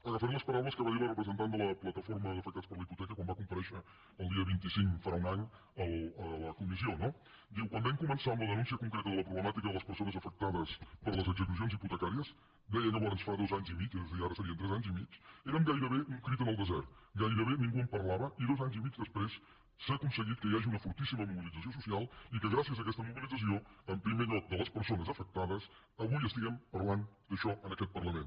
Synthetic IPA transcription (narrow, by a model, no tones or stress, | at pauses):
afoɾ̃nɐspɐɾaβlɐskəβaðiɾɐrəpɾəzənt̪and̪ulˠɐplˠɐt̪ɐfoɾmɐzəfəkt̪aspəɾlɐiput̪ɛkɐkwãmβakumpɐɾɛʃəː | lˠd̪iɐβint̪isiŋkfɐɾauŋaɲ | əlˠələkumisionɔ | d̪iwkwãnd̪aɲkumənsand̪ləðənũns̬iəkuŋkɾet̪ɐðəlɐpɾuβləmat̪ikɐðəlˠɐspəɾsonɐzəfək̚t̪aðəspəɾlˠɐzəkzək̬us̬jonziput̪əkaɾiɐs | d̪ɛjɐnəβɔɾɐnsfɐɾaðozaɲzimit͡ʃezðiaɾɐsəɾiɐnt̪ɾɛzanzimit͡ʃeɾəmɡajɾəβeʔuŋkɾit̪ənəlˠd̪əzɛ̰ɾt̪ɡajɾəβ̞eniŋɡuəmpərlaβəʔiðozaɲzimid͡ʒd̪əspɾes | səkunsəɣit̪̚kəiaʒiunəfuɾt̪isiməmuβilˠid͡zəsios̬usialˠikəɣɾasiəzəːkɛst̪əmuβilˠid͡zəs̬ioəmpɾimeʎɔk̚d̪ələspəɾsonəzəfək̚t̪aðəs | əβujəst̪iɣɛmpərland̪əʃɔʔənəkɛt̪̚pərləmen